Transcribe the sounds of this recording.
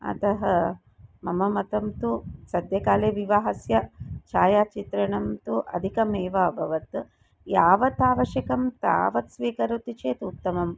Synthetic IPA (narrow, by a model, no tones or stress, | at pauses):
ɐ̰t̪ɐɦɐ | mɐmɐmɐt̪ɐmt̪usɐd̪jɐkaːleːʋiʋaːɦɐsjɐt͡ʃaːjaːt͡ʃit̪ɾɐɳɐmt̪uʔɐ̰d̪ʱikɐmeːʋɐːbʱɐʋɐt̪ | jaːʋɐt̪aːʋɐʃjɐkɐmt̪a̰ːʋɐt̪sʋiːkɐɾut̪it͡ʃeːt̪ut̪ːɐmɐm